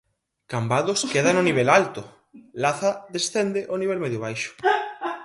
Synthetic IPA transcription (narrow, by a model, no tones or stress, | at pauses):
kambaðoskeðanʊniβelalt̪o | laθaðesθend̪eʔoniβ̞elmeðjʊβ̞ajʃʊ̥